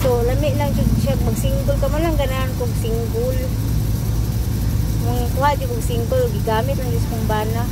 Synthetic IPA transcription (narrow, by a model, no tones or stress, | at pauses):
solamɪʔlaŋd͡ʒʊɡʃaɡ̚maɡsiŋɡʊlkamanlaŋɡanankoɡsiŋɡʊl | maŋkuɦaʔ̪d͡ʒʊkoɡsiŋɡʊloɡiɡamɪt̪̚laŋd͡ʒʊskʊŋbaːna